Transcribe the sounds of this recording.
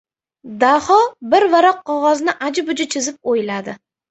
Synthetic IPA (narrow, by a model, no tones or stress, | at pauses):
d̪ahɒbɪɾvaɾɒqʰːɒʁɒznɪʔad͡ʒɪbʊd͡ʒat͡ʃʰɪzɪp̚ojlad̪ɪ